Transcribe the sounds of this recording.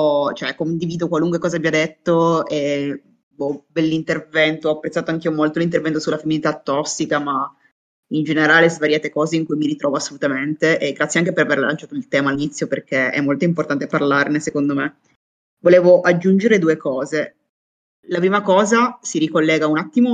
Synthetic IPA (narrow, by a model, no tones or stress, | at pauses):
t͡ʃoɛkond̪iviːd̪okwaluŋkwekɔːzabjad̪et̪ːoe | ɔbɛlːint̪ervɛnt̪oɔpːɾet̪ːaːt̪oaŋkiomolt̪olint̪̬ervɛnt̪osulafemːinit̪at̪ːɔsːikama | ind͡ʒeneɾaːlezvaɾjaːt̪ekɔːzeiŋkujmiɾit̪ɾɔːvoasːolut̪ament̪eʔeɡːɾat̪sjeaŋk̬epeɾaverla̰nt͡ʃaːt̪oilt̪ɛːmalːinit̪sːjoperk̟eɛ̰mːolt̪oimport̪ant̪eparlarnesekond̪ome | voleːvoʔad͡ʒːund͡ʒeɾed̪uekɔːze | lapɾiːmakɔːzasiɾikolːɛːɡaunat̪ːimo